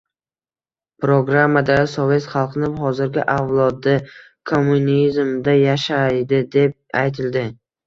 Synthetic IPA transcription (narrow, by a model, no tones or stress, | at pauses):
pɾoɡɾamːad̪asove̞t̪χɑlˠqnɪχɒzɪɾɡʲɪʔavlˠɒd̪ɪ | kʰomːunizmd̪ajaʃajd̪ɪd̪e̞p̚a̰jt̪ʰɪld̪ɪ